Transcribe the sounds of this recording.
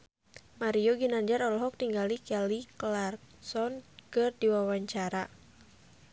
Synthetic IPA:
maɾiɔɡinaɲd͡ʒarɔlɔɦɔk̚t̪iŋɡalikɛliklar | sɔnkɨrdiwawaɲt͡ʃaɾa

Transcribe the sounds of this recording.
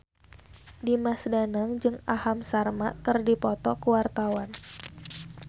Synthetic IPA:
dimasdanaŋd͡ʒɨŋahamsarmaʔkɨrdipɔt̪ɔkuwart̪awan

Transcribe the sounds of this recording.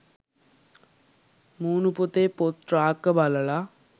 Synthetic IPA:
muːnuput̪eːpot̪ɾaːkːəbaləla

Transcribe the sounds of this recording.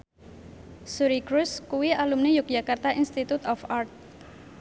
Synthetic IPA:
suɾikɾuskuwiʔalumnejʊk̚dd͡ʒakart̪ainst̪it̪ut̪ɔfart̪̚

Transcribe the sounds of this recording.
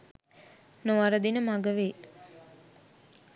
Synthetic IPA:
noʋaɾəd̪inəmaɡəʋeː

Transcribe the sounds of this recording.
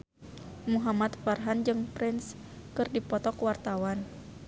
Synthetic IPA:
muɦamat̪farɦand͡ʒɨŋpɾins | kɨrdipɔt̪ɔkwart̪awan

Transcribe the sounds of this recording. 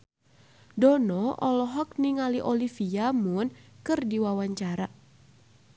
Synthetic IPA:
dɔnɔʔɔlɔɦɔk̚niŋaliʔɔlifiamʊnkɨrdiwawaɲt͡ʃaɾa

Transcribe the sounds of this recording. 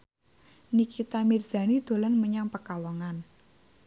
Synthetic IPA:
nikʰit̪amirz̥a̤nid̪̥o̤lənməɲaŋpəkawɔŋan

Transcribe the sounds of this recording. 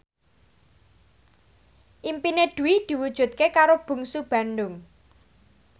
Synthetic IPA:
ʔimpineɖ̪̥ṳwid̪̥i̤wud̥ʒ̥ṳt̪̚kekaɾob̥ṳŋsub̥a̤nɖʊŋ

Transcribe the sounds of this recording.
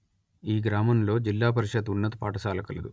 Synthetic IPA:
iːɡɾaːmɐmlo̞ːd͡ʒilːaːp̬ɐɾiʃɐd̪unːɐt̪upaːʈɐsaːlɐkɐlɐd̪u

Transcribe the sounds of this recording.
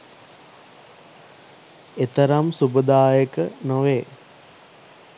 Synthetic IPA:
et̪əɾamsubəd̪aːjəkənoʋeː

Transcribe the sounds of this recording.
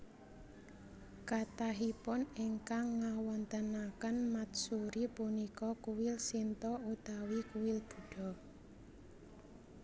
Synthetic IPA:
kat̪aɦipʊneŋkaŋːawɔnt̪ənakənmat̪suɾipunikɔkuwɪlsint̪ɔut̪awikuwɪlb̥ṳɖ̥ɔ̤

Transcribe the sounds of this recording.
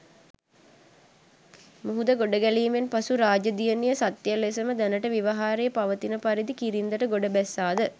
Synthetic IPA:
muɦud̪əɡoɖəɡæliːmenpasuɾaːd͡ʒəd̪ijənijəsat̪ːjəlːesəməd̪ænəʈəʋiʋaɦaːɾejəpaʋət̪inəpaɾid̪ikiɾind̪əʈəɡoɖəbæsːaːd̪ə

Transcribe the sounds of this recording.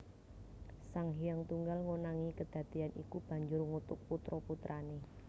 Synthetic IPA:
saŋɦijaŋt̪uŋɡalŋonaŋikəd̪̥ä̤d̪̥ianḭkub̥ä̤ɲd͡ʒʊrŋut̪ʊk̚put̪ɾɔput̪ɾʔane

